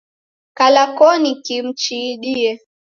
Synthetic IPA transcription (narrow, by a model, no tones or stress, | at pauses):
kalakɔnikim̩t͡ʃiːɗiɛ